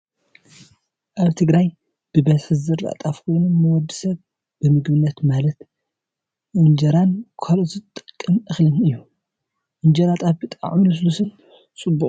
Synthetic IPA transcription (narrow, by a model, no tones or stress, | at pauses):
ʔaβt̪ʰɨɡɾaj | b̥ɨbɐzħɨzɨɾa̰t̪ʼafkʰo̞jnumɐwɔd̪ɨsɐβ | b̥ɨmɨɡbɨnːɐt̪malɐt̪ | ʔɨnd͡ʒɐɾankʰɐlozɨt̪ʼɨ̥kʼːɨmʔɨxlɨnɨjːu | ʔɨnd͡ʒɐɾat̪ʼafbɨt̪ʼa̰ʕmɨnuslusɨn | t͡sʼɨbu